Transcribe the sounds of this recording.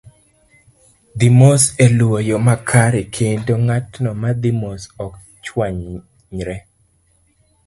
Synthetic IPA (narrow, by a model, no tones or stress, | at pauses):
d̪imoselwojɔmakʰaɾekʰendoŋatnɔmad̪imosɔk | t͡ʃwaɲ | ɲɾɛ